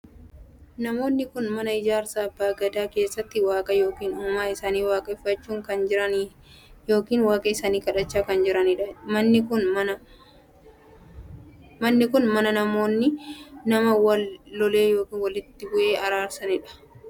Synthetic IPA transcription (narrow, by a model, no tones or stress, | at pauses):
nɐmo̞ːnːɪkʊnmɐnɐɪd͡ʒaːɾsaːɐbːaːɡɐd̪aːke̞ːsːɐt̪ːɪwaːkʼɐjo̞ːkiːnʊːmaːɪsaːniːwaːkʼɐɪfːɐt͡ʃːuːŋkɐnd͡ʒɪɾɐn | jo̞ːkiːnwaːkʼɐɪsaːniːkɐᶑɐt͡ʃːaːkɐnd͡ʒɪɾɐnɪᶑɐmɐnːɪkʊnmɐnɐ | mɐnːɪkʊnmɐnɐnɐmo̞ːnːɪnɐmɐwɐlːɔleːjo̞ːkiːnwɐlɪt̪ːɪbʊʔe̞ːʔɐɾaːɾsɐnɪᶑɐ̥